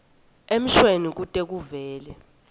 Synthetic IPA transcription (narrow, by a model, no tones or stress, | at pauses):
em̩ʃwenik̬utʼek̬uvɛːlɛ